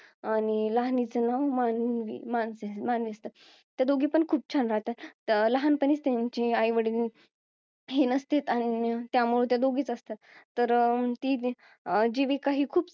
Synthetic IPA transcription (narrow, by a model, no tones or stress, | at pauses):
aɽ̃iləɦnit͡sənaʋmanʋḭmansemanʋiəst̪ə | t̪jad̪oɡiːpəɳkʰuːp̚t͡ɕʰanɾaɦt̪aləɦanpəniːt͡st̪jaɲt͡ɕeajʋəɽin | ɦenəst̪et̪añit̪jamuɭut̪jad̪oɡiːt͡səst̪a | t̪əɾt̪iː | d͡ʑeʋekaɦiːkʰuːb